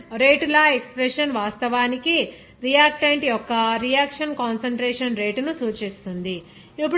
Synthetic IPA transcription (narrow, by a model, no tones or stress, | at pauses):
ɾe̞ːʈulɐekspɾeʂɐnʋaːst̪ɐʋaːniki | ɾijaːk̚ʈeɳʈjɔkːɐɾijaːkʂɐnkaːnsɐɳʈɾeːʂɐnɾeːʈnusuːt͡ʃist̪und̪i | ipːu